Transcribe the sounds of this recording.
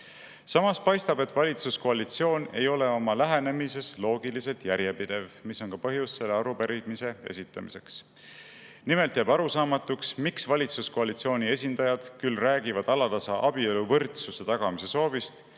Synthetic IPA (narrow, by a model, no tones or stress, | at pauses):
sɑmɑspɑjst̪ɑbe̞t̪vɑlʲit̪susko̞ɑlit̪sio̞ːne̞̰jo̞le̞o̞mɑlæɦe̞ne̞mis̬e̞slo̞ːɡilise̞lt̪jæɾjepid̪̥e̞vmiso̞nkɑpɤɦjusːe̞lːeɑɾupeɾid̪mise̞e̞̰sʲit̪ːˑɑmise̞ks | nime̞lt̪jæbɑɾusɑːmɑt̪ːˑuksmiksvɑlʲit̪susko̞ɑlit̪sio̞ːnʲie̞s̬ʲind̪̥ɑjɑd̪̥kylræːɡivɑd̪̥ɑlɑt̪ɑsɑʔɑb̥ieluvɤrt̪suse̞t̪ɑɡ̥ɑmise̞so̞ːvist̪